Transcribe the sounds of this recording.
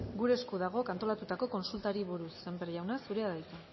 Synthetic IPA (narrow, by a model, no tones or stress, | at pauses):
ɡuɾe̞skuðaɣ̞o̞kant̪o̞lat̪ut̪ako̞ko̞nsult̪aɾiβoɾuse̞mbeɾʝawnasuɾe̞aðajt̪a